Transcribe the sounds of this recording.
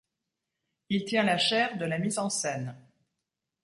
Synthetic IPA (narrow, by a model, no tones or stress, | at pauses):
ilt̪jɛ̃laʃɛʁd̪əlamizɑ̃sɛn